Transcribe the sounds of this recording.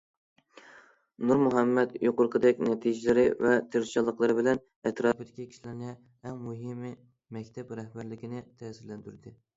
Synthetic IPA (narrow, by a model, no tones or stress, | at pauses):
nuɾmuɦɛmːɛt̪joqʊɾqʰəd̪ɛkʲnɛt̪ʰid͡ʒɪlɪɾɪvɛt̪ʰeɾʃɑlˠːəqlˠɨɾɨbɪlɛn | ɛt̪ɾɑːpɨd̪ɪkʲikʲʰi̥ʃilɪɾnɪ | ɛŋmuɦɪm | mɛkʲt̪ʰɛpɾɛhbæɾlɪkʲinɪt̪ʰɛːsɪɾlɛnt̪yɾd̪ɪ